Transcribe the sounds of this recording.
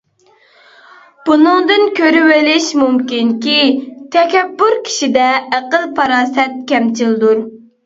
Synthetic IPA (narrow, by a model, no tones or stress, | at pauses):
b̥unɨŋd̪ɨnkʲʰøɾywɪlɪʃmumkʲinkʲit̪ʰɛkʲɛbːʊɾkʲʰi̥ʃid̪ɛæqəlˠpʰɑɾɑːsɛt̪̚kʲʰɛmt͡ʃʰild̪uɾ